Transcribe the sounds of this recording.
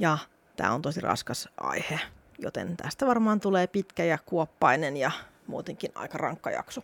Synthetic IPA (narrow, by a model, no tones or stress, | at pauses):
jɑ | t̪æ̰ːont̪osirɑ̰skɑsʔɑ̰ihe | jot̪ḛnt̪æ̰st̪æʋɑrmɑːnt̪uleːpit̪kæjɑkuopːɑinenjɑ | mṵːt̪eŋkinɑ̰ikɑrɑ̰ŋkːɑ̰jɑ̰ksu